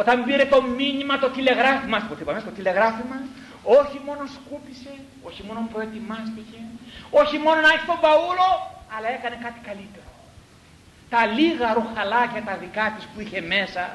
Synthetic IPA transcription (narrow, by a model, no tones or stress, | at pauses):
ot̪ɐmbiɾe̞t̪o̞minimɐt̪o̞t̪ile̞ɣɾɐfimɐst̪ipot̪ipɐmest̪ot̪ile̞ɣɾɐfimɐs | o̞çimo̞no̞skupise̞ | o̞çimo̞nompɾoet̪imɐst̪ice̞o̞çimo̞nonɐçist̪obɐulo̞ɐlɐe̞kɐne̞kɐt̪i̥kɐlit̪e̞ɾo | t̪ɐliɣɐɾoxɐlɐcɐt̪ɐðikɐt̪ispuiçe̞me̞sɐ